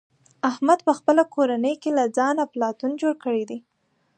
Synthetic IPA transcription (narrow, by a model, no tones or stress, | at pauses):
ahmad̪pəxpəlakoɾanəjkelad͡zɑnaplɑt̪und͡ʒoɽkəɽid̪i